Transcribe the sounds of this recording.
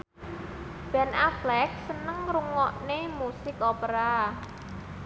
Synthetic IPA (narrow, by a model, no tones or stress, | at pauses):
b̥ɛ̤nʔaflɛk̚sənəŋɾuŋɔʔnemusɪkopəɾa